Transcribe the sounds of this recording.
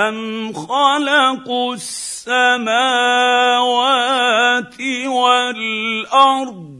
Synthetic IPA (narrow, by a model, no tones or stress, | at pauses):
anxalɑq | sːamaːwaːt̪ɪwalʔɑɾˤd̪ˤ